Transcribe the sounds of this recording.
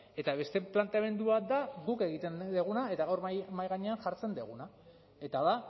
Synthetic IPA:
e̞t̪aβe̞st̪e̞plant̪eame̞nd̪uβat̪̚d̪aɣuke̞ɣit̪e̞nd̪eɣ̞unae̞t̪aɣawɾmajɣaɲe̞anʝaɾt͡se̞nd̪eɣ̞una | e̞t̪aða

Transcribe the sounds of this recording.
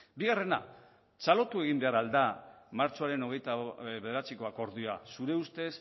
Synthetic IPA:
biɣare̞na̰ | t͡salo̞t̪ue̞ɣimbe̞aɾald̪a | maɾt͡ʃo̞aɾe̞no̞ɣ̞e̞jt̪aβe̞ðe̞ɾat͡siko̞ako̞ɾðuasuɾe̞ust̪e̞s

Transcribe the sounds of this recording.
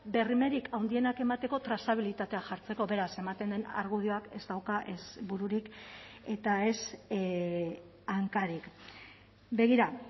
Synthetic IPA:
be̞rime̞ɾikʰawnd̪ie̞nake̞mat̪e̞ko̞t̪ɾasaβ̞ilit̪at̪e̞aʝaɾt͡se̞ko̞βe̞ɾase̞mat̪e̞nd̪e̞na̰ɾɣuðio̞ake̞zd̪awkaʔesbuɾuɾike̞t̪ae̞s | aŋkaɾik | be̞ɣ̞iɾa

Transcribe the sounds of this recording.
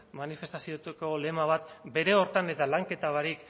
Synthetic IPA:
manife̞st̪asiot̪eko̞le̞maβ̞at̪be̞ɾe̞o̞ɾt̪ane̞t̪alaŋke̞t̪aβaɾik

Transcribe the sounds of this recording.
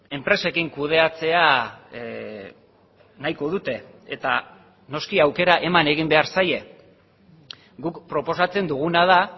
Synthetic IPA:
e̞mpɾe̞se̞kiŋkuð̞e̞at͡se̞a | najko̞ð̞ut̪e̞ | et̪a | no̞skiawke̞ɾaʔe̞mane̞ɣ̞imbe̞aɾsaje̞ | ɡukpɾo̞po̞sat͡se̞nd̪uɣ̞unað̞a

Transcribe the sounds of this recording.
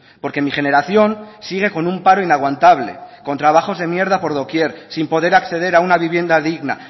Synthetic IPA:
po̞ɾke̞miχe̞ne̞ɾaθjo̞nsiɣ̞e̞ko̞numpaɾo̞inaɣwant̪aβle̞̰ko̞nt̪ɾaβ̞aχo̞zðe̞mje̞ɾð̞apo̞ɾðo̞kje̞ɾsimpo̞ðe̞ɾakθe̞ðe̞ɾaunaβiβje̞nd̪aðiɣna̰

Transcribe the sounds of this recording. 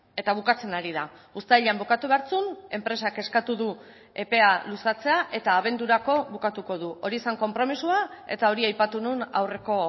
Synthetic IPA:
e̞t̪aβ̞ukat͡se̞naɾið̞aust̪aʎambokat̪uβe̞aɾt͡sune̞mpɾe̞sake̞skat̪uðu | e̞pe̞alusat͡se̞aʔe̞t̪aːβ̞e̞nd̪uɾako̞βukat̪uko̞ðuo̞ɾiesaŋko̞mpɾo̞misuae̞̰t̪ao̞ɾiajpat̪ununa̰wre̞ko̞

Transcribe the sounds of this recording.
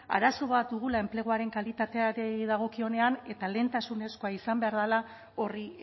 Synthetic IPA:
a̰ɾaso̞βat̪̚d̪uɣ̞ulae̞mple̞ɣ̞oaɾe̞ŋkalit̪at̪e̞aɾeðaɣ̞o̞kio̞ne̞ane̞t̪ale̞nt̪asune̞sko̞aisambe̞aɾðala | o̞ri

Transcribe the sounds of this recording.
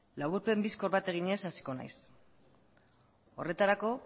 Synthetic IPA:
laβuɾpe̞mbisko̞ɾβat̪e̞ɣ̞iɲe̞sasi̥ko̞na̰js | o̞re̞t̪aɾako̞

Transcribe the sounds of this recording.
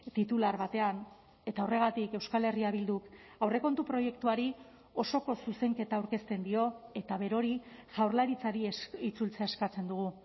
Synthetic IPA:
t̪it̪ulaɾβat̪e̞an | e̞t̪aore̞ɣ̞at̪ike̞wskale̞riaβ̞ild̪ukawre̞ko̞nt̪upɾo̞je̞kt̪uaɾi | o̞so̞ko̞suse̞ŋke̞t̪aːwɾke̞st̪e̞nd̪io̞e̞t̪aβe̞ɾo̞ɾisawɾlaɾit͡saɾiit͡sult͡seaeskat͡se̞nd̪uɣ̞u

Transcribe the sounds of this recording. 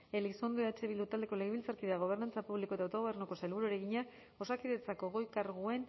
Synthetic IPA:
e̞liso̞nd̪oat͡ʃe̞βilut̪ald̪eko̞le̞ɣeβilt͡saɾkiðaɣ̞o̞β̞e̞rnant͡sapuβlikot̪awt̪o̞o̞βe̞rnuko̞salβuɾoɾe̞ɣiɲa | o̞sakiðet͡sakoɣo̞jkaɾɣue̞n

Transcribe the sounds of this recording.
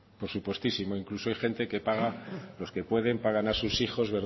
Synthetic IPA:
po̞ɾsupwe̞st̪isimo̞iŋkluso̞ajxe̞nt̪e̞ke̞paɣ̞alo̞ske̞pwe̞ð̞e̞mpaɣ̞anasusixo̞zβe̞ɾ

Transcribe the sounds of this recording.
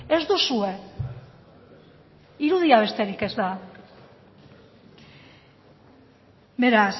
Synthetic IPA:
ezd̪usue̞ | iɾuð̞iaβ̞e̞st̪e̞ɾike̞zd̪a | be̞ɾas

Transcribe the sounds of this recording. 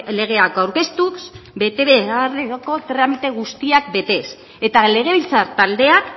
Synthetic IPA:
le̞ɣ̞e̞akawɾke̞st̪uksbe̞t̪e̞βeareko̞t̪ɾamit̪e̞ɣ̞ust̪iak̚be̞t̪e̞s | e̞t̪ale̞ɣ̞e̞βilt͡saɾt̪ald̪e̞ak

